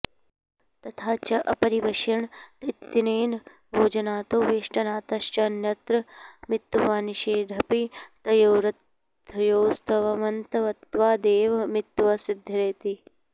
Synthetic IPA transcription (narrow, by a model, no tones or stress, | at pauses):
t̪ɐt̪ʰaːt͡ʃɐʔɐ̰pɐɾiʋɐʃjɐɳt̪it̪ːineːn | bʱoːd͡ʒɐnaːt̪oːʋiːʃʈɐnaːt̪ɐʃt͡ʃɐnjɐt̪ɾɐmɪt̪ːʋaːniʃeːd̪ʱɐpit̪ɐjoːɾɐt̪ | joːst̪ʰɐʋɐmɐnt̪ɐʋɐt̪ʋaːd̪eːʋɐmɪt̪ːʋɐsɪd̪ʱːɐɾeːt̪i